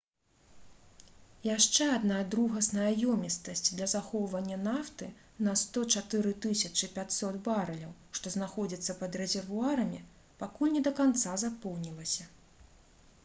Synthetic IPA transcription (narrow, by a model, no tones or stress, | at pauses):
jaʂt͡ʂɛad̪nad̪ɾuɣɐsnɐajɔmʲist̪ɐsʲt͡sʲd̪lʲɐzaxɔwvɐnʲːɐnaft̪ɨ | nɐst̪ɔt͡ʂat̪ɨɾɨt̪ɨsʲɐt͡ʂɨpʲat͡sʲsɔt̪baɾɐlʲɐwʂt̪ɔznaxɔd͡zʲit̪sːɐpɐd̪rɛzʲɛrvuaɾɐmʲi | pakulʲnʲɛd̪ɐkant̪sazapɔwnʲilˠɐsʲɐ